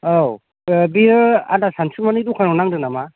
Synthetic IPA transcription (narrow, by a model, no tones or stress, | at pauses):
ow | biɾɯa̰dasansumanitukʰanɔnaŋdɯnama